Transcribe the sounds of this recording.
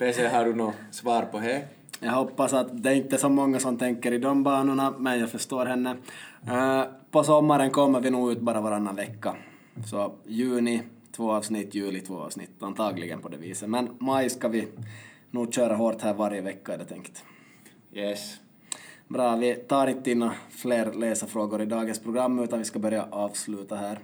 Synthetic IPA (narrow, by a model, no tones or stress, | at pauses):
peːseɦaɖɵnoːsvɑːɾpʰɔɦɛ | jɑːɦɔpːasat̪d̪ɛæɾɪnt̪ːəsɔmɔŋːasɔmt̪ʰɛŋkːəɾɪd̪ɔmbɑːnəɳamɛnjaːɡfœʂt̪oːɾɦɛnːə | pɔsɔmːaɾənkʰɔmːəɾvɪnuːɡʉːt̪̚bɑːɾavaɾanːanvɛkːa | sɔjʉ̟ːnɪt̪ʰvoːɑːvsnɪt̪ːjʉːlɪt̪ʰvo̰ːɑ̰ːsnɪ̰t̪ːant̪ʰɑːɡlɪ̰ɡə̰npʰɔd̪ɛ̰vḭːsəmɛnmajskavɪnuːɡɕøːɾaɦoːɾt̪hæːɾvaɾjəvɛkːaɛɖɛt̪ʰɛŋkt̪ | jɛs | bɾɑːvɪt̪ʰɑːɾɪnt̪ːəɪnːafleːɾleːsəfɾoːɡʊɾɪd̪ɑːɡənspʰɾʊɡɾamːʉːt̪anvɪskabœɾjaʔɑːvslʉːt̪aɦæːɾ